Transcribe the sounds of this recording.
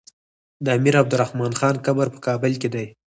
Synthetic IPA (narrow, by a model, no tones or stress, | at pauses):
d̪əamiɾab̚d̪ʊɾahmɑnxɑnkabaɾpə̥kɑbəlked̪aj